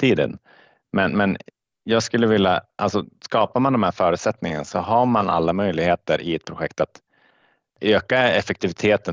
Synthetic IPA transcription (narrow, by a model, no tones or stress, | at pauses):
t̪iːd̪ə̰n | mɛnmɛn | jɑːɡskɵlːəvɪlːaʔa̰lsɔskɑːpamand̪ɔmhæːɾfœːɾʉ̟t̪sɛt̪nɪŋə̰nasɔɦaɾmana̰lːamœjlɪɡheːt̪əɾʔɪ̰ɛt̪̚pʰɾʊɧɛkt̪at̪ | øːkaɛfɛk̚t̪ɪvɪt̪ʰeːt̪ə